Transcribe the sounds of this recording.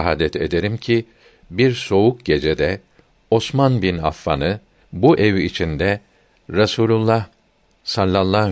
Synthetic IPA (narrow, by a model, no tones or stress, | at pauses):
ɦaːd̪ɛt̪ʰe̞̰d̪e̞ɾimcʰi | biɾso̞ukɟe̞d͡ʒed̪ɛ | o̞smanbina̰fːa̰nɯ | buʔɛvit͡ʃʰind̪ɛ | ɾasuːlʲulˠːah | salʲːalˠːaː